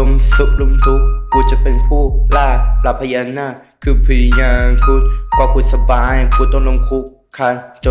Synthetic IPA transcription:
u˧msu˦˥k̚lu˧mt̪ʰu˦˥k̚kuː˧˩t͡ɕa˨˩pe˧npʰuː˥˩laː˥˩la˧˦pʰːa˧jaː˧naː˥˩ | kʰɯː˧pʰɯ˧˩jaː˧ŋkʰu˧˩tka˧˩kʰu˨˩t̪̚sa˧baː˧˦jkʰuː˧t̪ɔ˥˩ŋlo˧mkʰu˦˥kʰːa˦˧˩t͡ɕa˧

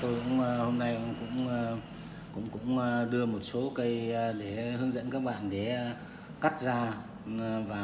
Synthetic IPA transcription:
t̪o˧jkʊ̰˧˥ŋ͡mho˧mna˧jkʊ̰˧˥ŋ͡m | kʊ̰˧˥ŋ͡mkʊ̰˧˥ŋ͡mɗɨ˧əmo˨˩t̚so˨˦kə˧jɗe˧˩hɨ˨˧əŋzə̰˧˥nkaː˦˥k̚ɓa̰ː˧˨nɗe˧˩ | ka˦˥t̚zaː˧ | vaː˨˩

